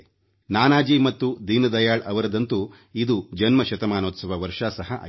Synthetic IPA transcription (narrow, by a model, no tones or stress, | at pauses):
naːnaːd͡ʒimɐt̪ːud̪iːnɐd̪ɐjaːɭɐʋɐɾɐd̪ɐnt̪u | id̪ud͡ʒɐnmɐʃɐt̪ɐmaːnoːt̪sɐʋɐʋɐɾʂasɐɦɐʔa̰ː